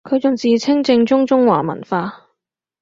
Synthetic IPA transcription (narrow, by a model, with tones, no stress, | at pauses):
kʰɵ˨˧t͡sʊ˨ŋt͡siː˨t͡sʰɪ˥ŋt͡sɪ˧ŋt͡sʊ˥ŋt͡sʊ˥ŋwa̰ː˨˩mɐ̰˨˩nfaː˧